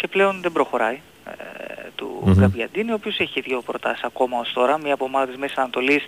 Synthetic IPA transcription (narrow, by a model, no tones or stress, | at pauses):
ce̞ple̞o̞nðe̞bɾo̞xo̞ɾɐj | t̪ṵɡɐvʝɐd̪iineopio̞se̞çiiðʝo̞pɾo̞t̪ɐsi̥sɐko̞mɐost̪o̞ɾɐmɲɐːpomɐðɐt̪izmessɐnɐt̪o̞lis